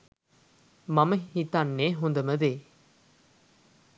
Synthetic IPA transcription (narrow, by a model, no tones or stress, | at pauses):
mɐmɐhit̪ːanːeːɦond̪ɐmɐðeː